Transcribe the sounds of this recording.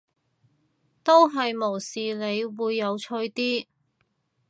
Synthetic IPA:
t̪o˥wɦɐ˨jmo˨˩wsiː˨le˨˧jwuː˨˧jːɐ˨˧wt͡ʃʰɵ˧ɥt̪iː˥

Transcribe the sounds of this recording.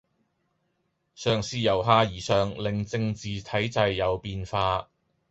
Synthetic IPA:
sœː˨˩ŋsiː˧jɐ˨˩wɦaː˧jiː˨˩sœː˨ŋlɪ˨ŋt͡sɪ˧ŋt͡siː˨t̪ʰɐ˨˥jt͡sɐ˧jːɐ˨˧wpiː˧nfaː˧

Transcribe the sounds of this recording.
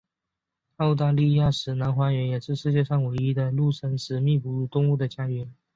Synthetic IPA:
ɑ˥˧ʊt̪a˥˧li˥˧ja˥˩ʂɻ̩˨˩na˧˥nxwa˧˥ɥɛ˧˥njɛ˨˩ʂɻ̩˥˧ʂɻ̩˥˧t͡ɕjɛ˥˧ʂɑ˥˩ŋwe˧˥ɪi˥d̪ə˨lu˥˩ʂʰə˥nʂɻ̩˧˥mi˥˩pu˧˥u˥˩t̪ʊ˥˧ŋu˥˩d̪ə˩t͡ɕja˥ɥɛ˧˥n

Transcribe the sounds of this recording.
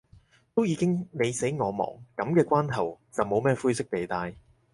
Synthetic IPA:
t̪o˥wjiː˨˧kɪ˥ŋne˨˧jse˨˥jŋɔː˨˧mɔ̰ː˨˩ŋkɐ˨˥mkɛː˧kʷaː˥nt̪ʰɐ˨˩wt͡sɐ˨wmo˨˧wmɛː˥˧fuː˥jsɪ˥k̚t̪e˨jt̪aː˧j

